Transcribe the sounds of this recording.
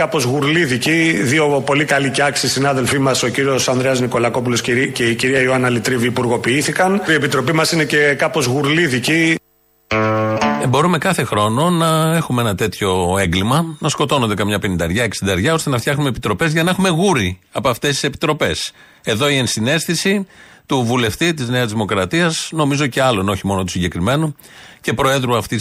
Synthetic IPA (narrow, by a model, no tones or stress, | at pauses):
kɐpo̞zɣuɾliðiciðio̞po̞likɐliceɐksisinɐðe̞lfimɐso̞ciɾio̞sɐnd̪ɾeɐzniko̞lɐko̞pulo̞sceiciɾiɐioɐnɐlit̪ɾiviːpuɾɣo̞piiθikɐniepit̪ɾo̞pimɐsine̞ce̞kɐpo̞zɣuɾliðici | ebo̞ɾume̞kɐθe̞xɾo̞no̞nɐe̞xumeenɐt̪e̞t̪ço̞e̞ŋɡlimɐnɐsko̞t̪o̞no̞nd̪ekɐmɲɐpe̞nind̪ɐɾʝɐe̞ksind̪ɐeɾʝɐo̞st̪e̞nɐft̪çɐxnumepit̪ɾo̞pe̞zʝɐnɐexume̞ɣuɾi | ɐpoɐft̪es̬t̪i̥se̞pi̥t̪ɾo̞pe̞s | e̞ðo̞ie̞nsine̞sθisit̪uvule̞ft̪it̪izne̞ɐzðimokɾɐt̪iɐsno̞mizo̞ce̞ɐloenoçimo̞not̪usiɲɟe̞kɾime̞nu | ce̞pɾo̞e̞ðɾuɐft̪i